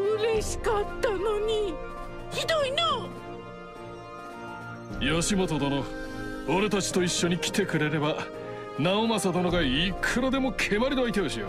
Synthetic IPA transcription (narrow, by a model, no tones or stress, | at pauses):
ɯ̟ɾe̞ɕi̥kat̪ːanoɲ̟i | çid̪o̞ino | joɕimo̞t̪od̪onooɾe̞t̪at͡ɕi̥t̪o̞iɕːo̞ɲ̟ikʲi̥t̪e̞kɯ̟ɾe̞ɾe̞ba | naomasad̪onoɡaikʰɯɾod̪e̞mo̞kʰe̞maɾʲinoait̪e̞oɕio̰